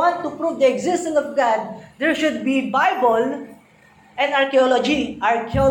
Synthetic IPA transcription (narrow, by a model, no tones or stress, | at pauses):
ãnʈːupɾuːʋd̪ieɡzɪsʈə̃nsɔfɡæ̃dd̪eɾʃʊdbibaɪbol | ɛ̃nɖaɾkiɔlɔd͡ʒiaɾkiɔ